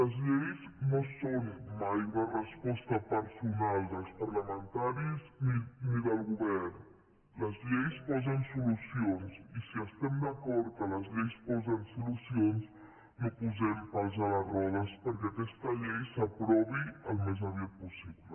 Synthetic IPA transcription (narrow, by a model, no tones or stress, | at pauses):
ləzʎɛjznosonmajunərəspɔst̪əpəɾsunalˠd̪əlˠspəɾləmənt̪aɾizniniðəlˠɣuβɛrn | ləzʎejspɔzənsulusionsisiəst̪ɛmd̪əkɔɾt̪ələzʎɛjspɔzənsulusions | nopuzɛmpalˠzalərɔðəspəɾkɛakɛst̪əʎɛjsəpɾɔβiəlˠmezaβjiat̪̚pusiβlə